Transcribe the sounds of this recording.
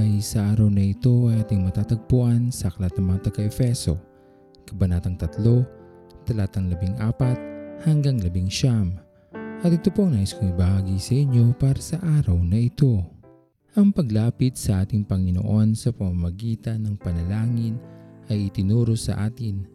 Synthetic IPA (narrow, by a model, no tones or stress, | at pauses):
ɐjsɐʔaːɾɐwnɐɪt̪o̞ʔajʔaːt̪ɪŋmɐt̪aːt̪ɐɡ̚poʔansɐʔɐklat̪̚nɐŋmɐŋat̪ɐɡaʔɛfɛso̞̰ | kɐbɐnaːt̪ɐŋt̪ɐt̪lo̞ | t̪ɐlaːt̪ɐŋlɐbiŋʔaːpɐt̪̚hɐŋɡaŋlɐbɪŋʃam | ʔɐt̪ɪt̪opoɐŋnaːjɪskoŋibɐhaːɡisɐʔɪɲjo̞paːɾɐsɐʔaːɾɐwnɐʔɪt̪o̞ | ʔɐŋpɐɡlaːpɪt̪̚sɐʔaːt̪ɪŋpɐŋɪno̰ʔo̞nsɐpɐmamɐɡiːt̪ɐnːɐŋpɐnɐlaːŋɪnʔɐjɪt̪ɪnuːɾo̞sɐ̰ʔaːt̪ɪn